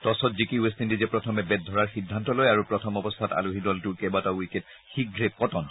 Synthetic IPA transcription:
tɔsɔtzikiuestindizɛpɹɔtʰɔmɛbɛt̚dʱɔɹaɹxidʱːantɔlojaɹupɹɔtʰɔmɔbɔst̪ʰata̰luɦidɔltʊkebatawiket | xik̚ɡʱɹepɔtɔn

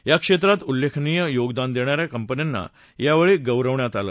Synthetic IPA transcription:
jakʂet̪̬ɾat̪ulːekʰnijəjoɡd̪and̪eɳ̃aɾjakəmpənjanːa̰ | jaʋeɭiːɡəwɾəʋɳjat̪alə

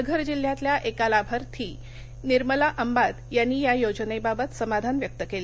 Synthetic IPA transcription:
əɡʱəɾd͡ʑil̤ːjãt̪ljaʔekalabʱəɾt̪ʰiː | niɾməlaʔəmbad̪janːijajod͡ʑənebabət̪səmad̪ʱanʋjək̚t̪əkele

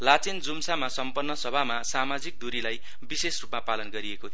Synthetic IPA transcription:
lat͡send͡zumsamasʌmpʌnːʌsʌbʱamasamad͡zik̚d̪uɾilaj | bisesrupmapalʌnɡʌɾiekot̪ʰ

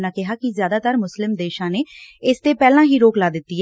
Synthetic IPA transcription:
nãːkɪɦaːkɪzjaːd̪aːt̪əɾmʊslɪmd̪eːʃãːneːɪst̪eːpɛːlãːɦiːɾoːklaːd̪ɪt̪ːiːɦɛ

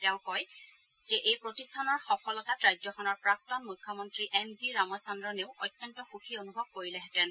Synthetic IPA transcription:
tɛʊ̃kɔj | zɛʔejpɹotistʰanɔɹxɔpʰɔlɔtatɹajzɔxɔnɔɹpɹak̚tɔnmujkʰːɔmɔntɹiʔɛmziɹamɔsɔndɹɔneʊɔjtjɔntɔxuxʰionubʱɔb̚koɹilɛɦɛtɛn

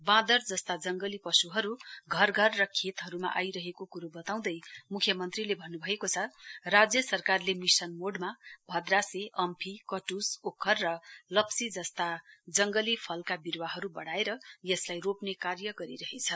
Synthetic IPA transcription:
bãd̪ʌrd͡zʌst̪ad͡zʌŋɡʌlipʌsuɦʌɾuɡʱʌrɡʱʌrːʌkʰet̪ɦʌɾuma̰ʔajɾʌɦekokuɾobʌt̪aw̃d̪ʌjmukʰjʌmʌnt̪rilebʱʌnːubʱʌekot͡sʰʌrad͡zjʌsʌrkarlemisʌnmoɖmabʱʌd̪raseʔʌmpʰikʌʈusokʰːʌrːʌlʌpsid͡zʌst̪ad͡zʌŋɡʌlipʰʌlkabirwaɦʌɾubʌɽaeɾʌjʌslajropnekarjʌɡʌɾiɾʌɦet͡sʰʌ

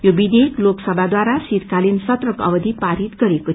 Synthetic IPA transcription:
jobid̪ekloksʌbʱad̪waɾasiɾkalinsʌt̪rʌkʌ̰bʌd̪ʱipaɾit̪ɡʌɾeko

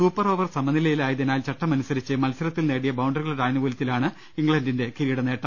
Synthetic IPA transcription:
suːpːɐro̞ːʋɐrsɐmɐnilɐjilaːjit̪ɐnaːlt͡ɕɐʈːɐmɐnusɐɾit͡ɕːɨmɐlsɐɾɐt̪ːilne̞ːɽijɐbɐwɳɖɐrɣɐɭʈaːjnɐʋuːlɐt̪ːilaːɳɨ | iŋɡɭɐndinde̞kiɾijiɽɐneːʈːɐm

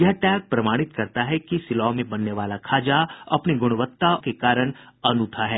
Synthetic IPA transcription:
jɐɦʈɛːk̚pɾɐmaːɽ̃ɪt̪kɐɾt̪aɦɛkisɪlaːmẽbɐnːeʋaːlakʰaːd͡ʒaɐ̰pniɡʊɽ̃ʋət̪ːakekaːɾəɽ̃ɐnʊt̪ʰaɦɛː

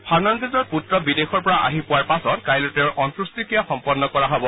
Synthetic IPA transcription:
pʰaɹnɔnzizɔɹputɹɔbidexɔɹpɔɹaʔa̰ɦipʊwaɹpasɔtkajlotɛɹʔɔntɹustikijaxɔmpɔdːɔkɔɹaɦɔbɔ

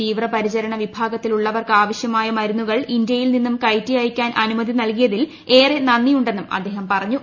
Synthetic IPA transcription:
iːʋrɐpɐɾit͡ɕɐɾɐɳɐʋibʱaːɡɐt̪ːiluɭːɐʋɐrkɨaːʋɐɕjɐmaːjɐmɐɾunːuɣɐɭind̪jɐjilninːumkɐjtːijajkʲːaːnʔɐnumɐd̪ʱinɐlkijɐðil | e̞ːrenɐnːijuɳɖe̞nːumɐ̰d̪ːe̞ːɦɐmpɐrɐɲːu

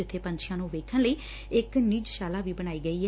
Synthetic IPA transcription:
ɪt̪ʰːeːpə̃ɲt͡ʃʰɪjãːnũːʋeːkʰənləiː | ɪkniːd͡ʒʃaːlaːʋiːbəñaːiːɡəiːɦɛ

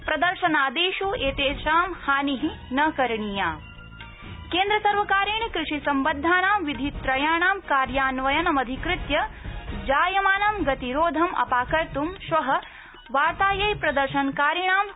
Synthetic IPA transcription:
pɾɐd̪ɐɾʃɐnaːd̪eːʃueːt̪eːʃaːmhaːniɦinɐkɐɾɳijaː | keːnd̪ɾɐsɐɾʋɐkaːɾiɳikɾɨʂisɐmbɐd̪ʱːaːnaːmʋid̪ʱit̪ɾɐjaːɳaːmkaːɾjaːnʋɐjɐnɐmɐd̪ʱikɾɪt̪jɐd͡ʒaːjɐmaːnɐmɡɐt̪iɾoːd̪ʱɐmɐ̰paːkɐɾt̪umʃʋɐɦɐ | ʋaːɾt̪aːjɐjpɾɐd̪ɐɾʃɐnkaːɾjɐɳaːm

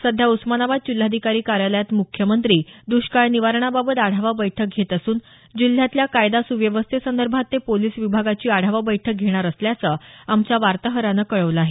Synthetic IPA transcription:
səd̪ʱjausmanaʋad̪̚t͡ɕul̤ːad̪ʱikaɾiːkaɾjaləjat̪mukʰjəmənt̪ɾiːd̪uɕkaɭniʋaɾɳ̃ababət̪aɽ̤ʱaʋabəjʈʰək̚ɡʱet̪əsuːn | d͡ʑil̤ːjat̪ljakajd̪asuʋjəʋəst̪ʰesənd̪əɾbʱat̪ːepoliːsʋibʱaɡat͡ɕiːaɽ̤ʱaʋabəjʈʰək̚ɡʱeɽ̃aɾəsljat͡səamt͡ɕjaʋaɾt̪əɦəɾanəkəɭəʋləaɦe

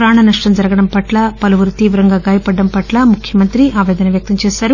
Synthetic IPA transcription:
pɾaːɳɐnɐʂʈɐmd͡ʒɐɾɐɡɐɽɐmpɐʈlaːpɐlɐʋuɾut̪iːʋɾɐŋɡaːɡaːjɐpɐɖːɐmpɐʈlaːmukʰjɐmɐnt̪ɾiʔaːʋɛːd̪ɐnɐʋjɐk̚t̪ɐmt͡ʃɛːsaːɾu

